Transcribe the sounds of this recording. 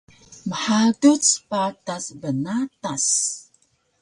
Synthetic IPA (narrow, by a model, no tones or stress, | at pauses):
məħadut͡spatasbənatas